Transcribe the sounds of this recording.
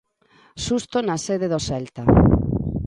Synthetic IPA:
ʃust̪onaseðeðosɛlt̪a

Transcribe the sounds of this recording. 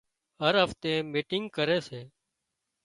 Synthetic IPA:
ɦəɾɦəft̪ẽːmiːʈɪŋɡkəɾeːseː

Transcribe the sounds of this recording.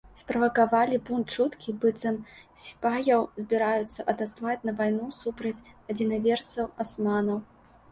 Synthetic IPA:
spɾɐvɐkavalʲibunt̪t͡ʂut̪kʲibɨt̪sɐmsʲi̥pajɐwzʲbʲiɾajut̪sːɐʔɐd̪aslˠat͡sʲnɐvajnusupɾɐt͡sʲɐd͡zʲinavʲɛrt̪sɐwasmanɐw

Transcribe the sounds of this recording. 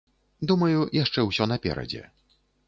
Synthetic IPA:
d̪umɐjujaʂt͡ʂɛwsʲɔnɐpʲɛ̰ɾɐ̰d͡zʲɛ̰

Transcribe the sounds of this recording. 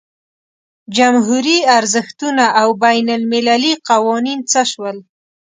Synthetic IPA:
d͡ʒamɦuɾiaɾzəxt̪unaʔawbajnalmɪlaliqawɑnint͡səʃwəl

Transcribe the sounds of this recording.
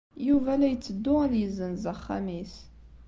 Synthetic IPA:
juvælæjt͡sːəd̪ːʊæðjəzənzaχːa̰mis

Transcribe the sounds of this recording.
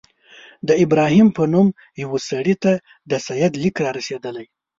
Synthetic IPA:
d̪əɪbɾɑhimpənum | jawosaɽit̪a | d̪əsajad̪likɾɑɾased̪əlaj

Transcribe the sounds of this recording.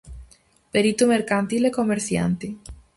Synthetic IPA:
peɾit̪umeɾkant̪ilekomeɾθja̰nt̪i

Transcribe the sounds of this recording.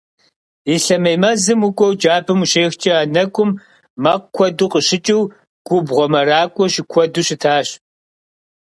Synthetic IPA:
iɬɐmɐjmɐzɨmʊkʷʼɔwd͡ʒaːbʰɨmuɕeːxt͡ʃʼɐaːnɐkʷʼʊmː | ɐq̚kʷʰɔduqəɕɪt͡ʃʼɪw | ɡ̥ʷʊbʁʷɔmɐɾaːkʷʼɔɕɪkʷʰɔduɕɪtʰaːɕ

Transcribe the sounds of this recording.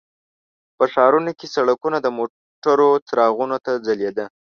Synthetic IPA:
pəʂɑɾunokesaɽakunad̪əmo | ʈaɾot͡sɾɑɣunot̪ad͡zaled̪ə

